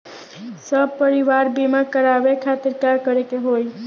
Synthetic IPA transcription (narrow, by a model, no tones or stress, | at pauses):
səb̚pəɾiʋaɾbimakəɾaʋekʰat̪iɾkaɾkəɾekeɦoj